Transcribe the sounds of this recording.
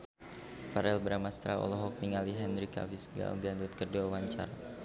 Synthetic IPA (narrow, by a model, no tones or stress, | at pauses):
faɾɛlbəɾamast̪ɾaɔ̰lɔɦɔk̚niŋaliɦɛnɾika̰visɡa̰ldiandut̪̚kərduawaɲt͡ʃa̰ɾa